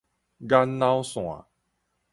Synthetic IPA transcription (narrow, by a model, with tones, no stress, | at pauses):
ɡa˦nːa˦wsw̃a̰˨